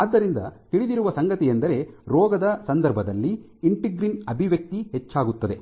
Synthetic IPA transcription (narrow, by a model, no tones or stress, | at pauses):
aːd̪ːɐɾind̪ɐ̰t̪iɭid̪iɾuʋɐsɐŋɡɐt̪ijend̪ɐɾe̞ɾɔːɡɐd̪ɐsɐnd̪ɐɾbʱɐd̪ɐlːi | iɳʈiɡɾinɐbʱiʋjɐk̚t̪iɦet͡ʃːaːɡut̪ːɐd̪e̞